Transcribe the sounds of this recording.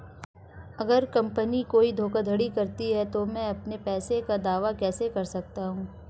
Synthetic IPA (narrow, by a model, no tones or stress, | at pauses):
ɐɡəɾkɐ̃mpənikoːid̪ʱoːkad̪ʱɐɽikɐɾt̪iɦɛt̪omɛ̃ɐpnepɛːsekad̪aːʋakɛːsekɐɾsɐk̚t̪aɦũː